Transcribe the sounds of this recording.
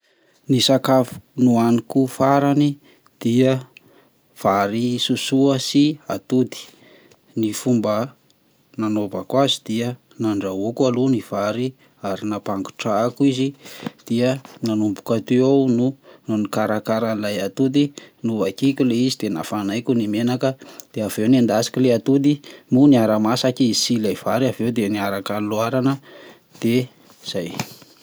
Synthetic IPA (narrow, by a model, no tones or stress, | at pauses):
nisakafu̥nuanikufaɾani | d̪̥iə | v̥aɾisusuəsia̰t̪ud̪i̥ | nifumbə | nanovakwazid̪̥iə | naɳɖ͡ʐaokualuniv̥aɾi | aɾinapaŋɡu̥ʈ͡ʂaːkuizid̪̥iənanumbu̥kat̪eawnunonikaɾakaɾanilajat̪ud̪inuvakikʲuleizid̪ena̰fanajkʲunimenakəd̪̥eavewnand̪asi̥kʲileat̪ud̪imuniaɾamasakisilaiv̥aɾiavewd̪eniaɾakaluaɾanə | d̪̥e | z̥aj